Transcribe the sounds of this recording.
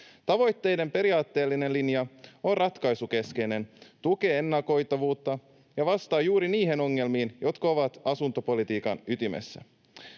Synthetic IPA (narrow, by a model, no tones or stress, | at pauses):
t̪ɑʋo̞jt̪ːe̞jde̞mpe̞ɾiɑːt̪ːe̞ːlːine̞nlinjɑo̞rrɑt̪kɑjsuke̞ske̞jne̞nt̪uke̞e̞nːɑko̞jt̪ɑʋuːt̪ːɑ | jɑʋɑst̪ɑːjuːɾiniːɦe̞no̞ŋːe̞lmiːnjo̞t̪kɑo̞ʋɑt̪ɑsunt̪o̞po̞lit̪iːkɑnyt̪imḛsːæ̰